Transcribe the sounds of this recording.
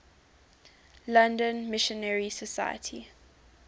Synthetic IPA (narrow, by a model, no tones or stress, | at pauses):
lãndə̃nmɪʃə̃nɛɹisəsa̰ɪjə̰tʰi